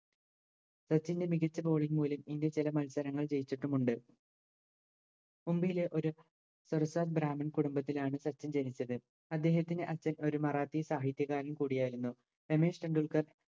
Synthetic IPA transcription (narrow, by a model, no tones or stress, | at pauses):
sɐt͡ɕːinde̞miɣɐt͡ɕːɐbo̞ːɭinmuːlɐmiŋɡet͡ɕilɐmɐlsɐɾɐŋːɐɭt͡ɕe̞jit͡ɕːiʈːumuɳɖɨ | umbijile̞ʔo̞ɾu | sorɐsaːt̪̚bɾaːmɐnkuɽumbɐt̪̬ːilaːɳɨsɐt͡ɕːɐnd͡ʑenit͡ɕːɐðɨ | ɐd̪ːe̞ːɦɐt̪ːinɨʔɐt͡ɕːɐno̞ɾumɐraːt̪ːijɐsaːɦit̪jɐɣaːɾɐmkuːɽijaːjiɾunːu | pe̞meːʂʈɐɳɖuɭkɐr